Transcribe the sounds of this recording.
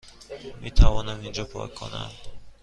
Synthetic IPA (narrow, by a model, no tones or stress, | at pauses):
mit̪ʰavɔnamind͡ʒɔpʰɔ̰jkʰona̰m